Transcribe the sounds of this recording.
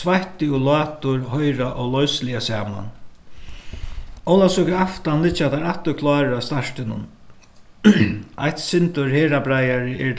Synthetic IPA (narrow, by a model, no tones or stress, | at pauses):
svaht̪ɪulɑːt̪ʊɹɦɔjɾaʔɔɣlɔjslɪasaːma̰n | ɔwlasʊkɪaft̪anlɪt͡ʃːat̪aɾaht̪ʊkʰlɑːɾast̪aʂt̪ɪnʊ̰n | ajht̪sɪnt̪ʊɹheːɾabɾajaɾɪʔɛɾ